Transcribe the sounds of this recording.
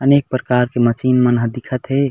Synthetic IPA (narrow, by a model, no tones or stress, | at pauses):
ənek̚pɾəkaɾkemət͡ʃinmənɦəd̪ikʰət̪ɦe